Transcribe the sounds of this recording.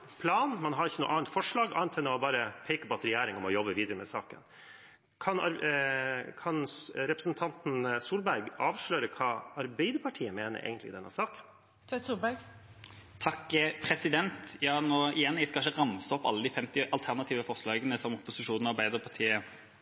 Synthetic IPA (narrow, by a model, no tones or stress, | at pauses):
pʰlɑːnmɑnɦɑɾɪçənṵːʔɑːnt̪fɔʂɭɑːɡɑ̰ːənt̪ʰɛnɛɔbɑːɾəpʰeɪkəpɔɑt̪ɾɛjæːɾɪŋɔmɔjɔbːəʋiːd̪əɾəmɛ̰sɑːkə̰n | kʰɑnɑ̰ | kʰɑnɾɛpɾəsən̩t̪ʰɑnt̪n̩suːlbæɾɡɑːʋʂɭøːɾəkʰɑːɑɾbæɪd̪əɾpʰɑʈʰiːəmeːnə̰ɾʔḛɪɡənt̪lɪ̰d̪ɛnːə̰sɑːkə | t̪ʰɛsuːlbæɾɡ | t̪ʰɑkpʰɾɛsɪd̪ɛnt̪jɑːnoːɪjɛnːɪskʰɑʂəʁɑmsəɔpːɑ̰lːəd̪ɪfɛmt̪ɪʔɑlt̪ʰæʁnɑt̪ʰiːʋəfɔʁʂlɑːɡənəsɔmʊpːʊsɪʂuːnn̩ɔɑʁbæɪd̪əʁpʰɑʁt̪ʰiːə